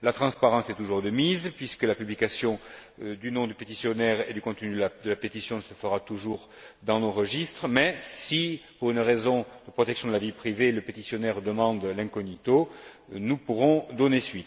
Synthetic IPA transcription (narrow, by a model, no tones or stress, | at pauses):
lat̪χɑ̃spaʁɑ̃sɛt̪uʒuʁd̪əmizpɥiskəlapyblikasjɔ̃ | d̪ynɔ̃d̪ypet̪isjɔnɛʁed̪ykɔ̃t̪ənyd̪ad̪əlapet̪isjɔ̃səfəʁat̪uʒuʁ | d̪ɑ̃noʁəʒist̪χəmɛsipuʁynʁezɔ̃d̪̥əpχɔt̪ɛksjɔ̃d̪əlavipχiveləpet̪isjɔnɛʁd̪əmɑ̃d̪lɛ̃kɔnit̪o | nupuʁɔ̃d̪ɔnesɥit̪